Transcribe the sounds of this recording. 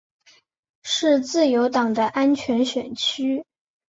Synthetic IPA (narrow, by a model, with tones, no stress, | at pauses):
ʂɻ̩˥˧t͡sɹ̩˥˩jo˧˥ʊt̪ɑ˨˩ŋd̪ə˦ʔa˥nt͡ɕʰɥɛ˧˥nɕɥɛ˨˩nt͡ɕʰy˥